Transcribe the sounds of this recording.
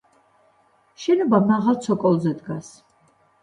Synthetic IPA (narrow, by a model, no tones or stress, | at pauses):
ʃɛnɔbamaʁalˠt̪sʰɔkʼɔlˠzɛd̪ɡas